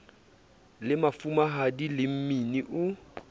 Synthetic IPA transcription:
lɪmafumaɦadilɪm̩miniʔʊ

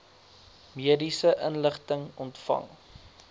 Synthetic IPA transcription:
miədisəʔənləχtəŋɔntfɐ̰ŋ

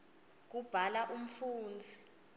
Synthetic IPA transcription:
k̬ub̥ʱalaʔum̩fuːnd͡zʱi̥

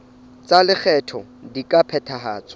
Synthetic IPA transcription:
t͡salɪk͡xʰɛtʰɔdikʼapʰɛtʰaɦa̰ːt͡sʼɔ̥

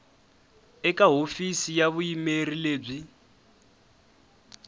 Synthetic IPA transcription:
ɛkʼaɦofisijaβuimerileːb͡ʐi

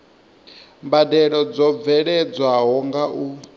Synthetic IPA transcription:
mbadɛɺɔd͡zɔvɛɺɛd͡zwaɦɔŋɡaʔu

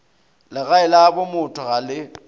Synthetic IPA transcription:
lɪɣaɪlabʊmʊtʼʰɔɣalɪ

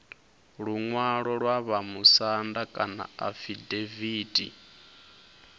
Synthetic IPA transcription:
ɺuŋwaɺɔɺwaβamusandakʼana̰afideviːdʼḭ

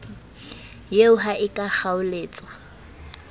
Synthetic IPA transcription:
jeʊɦaʔɪkʼak͡xaʊleːt͡sʼwa

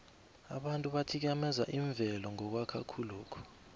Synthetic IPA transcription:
a̰ɓantʼuɓatʰik̬amɛzaʔiɱb̪vʱɛlɔŋɔk̬wakʰa̰kʰuluːkʰɔ̥

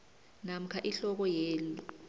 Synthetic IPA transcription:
nam̩kʰaʔiɬɔk̬ɔjeːlu

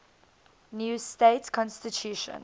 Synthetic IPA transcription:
njuːsteɪtkʰɔ̃nstitʰjuːʃə̰̃n

